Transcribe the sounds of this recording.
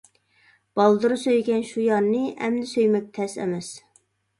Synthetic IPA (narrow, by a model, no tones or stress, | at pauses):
b̥ɑlˠd̪ɨɾɨsøjɡʲɛnʃujɑɾnɨʔɛ̰md̪ɪsøjmɛk̚ʲt̪ʰɛsɛ̰mɛs